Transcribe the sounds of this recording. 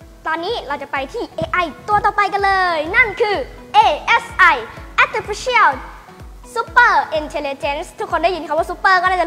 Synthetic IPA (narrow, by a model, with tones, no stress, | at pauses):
t̪ɔː˧nːiː˦˥ɾa˧wt͡ɕa˨˩pa˧jt̪ʰiː˥˩ʔeː˧ʔa˧˩jt̪u˧ɐt̪ɔː˨˩pa˧jka˧nlɤː˧jna˥˩nkʰɯː˧ | ʔeː˧˩ʔe˦˥sʔa˧˩jʔɛ˦˥t̪i˧fi˦˥sʰi˦˥ə˨˩l | su˦˥pə˥˩ʔi˧nt̪ʰe˧li˧t͡ɕe˦˥nst̪ʰu˦˥kʰːo˧nda˥˩jnʰ˨˧˩waː˥˩su˦˥pːɤː˥˩kɔ˥˩naː˥˩t͡ɕa˨˩